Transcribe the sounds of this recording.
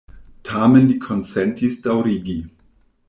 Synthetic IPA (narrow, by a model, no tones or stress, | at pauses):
tʰamenlikʰonsentʰisdawɾiɡi